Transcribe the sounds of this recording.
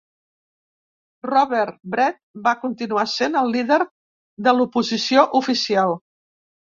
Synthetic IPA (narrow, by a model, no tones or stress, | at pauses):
rɔβɛɾbɾɛt̪̚bakunt̪inuasenəlˠːiðəɾ | ðəlupuzisioʔufisialˠ